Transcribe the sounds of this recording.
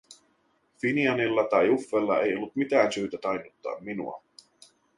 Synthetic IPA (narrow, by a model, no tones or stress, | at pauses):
finiɑnilːɑt̪ɑjufːelːɑe̞jo̞lːut̪mit̪æːnsyːt̪æt̪ɑjnut̪ːɑ̰ːmːinṵɑ̰